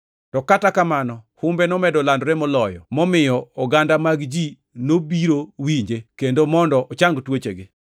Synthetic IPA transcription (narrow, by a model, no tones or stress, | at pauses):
tɔkatakamanɔhʊmbenɔmɛdɔlandɾemɔlɔjɔmɔmɪjɔɔɡandamaɡd͡ʒi | nobiɾowiɲd͡ʒekendomɔndɔʔɔt͡ʃaŋɡtwot͡ʃeɡɪ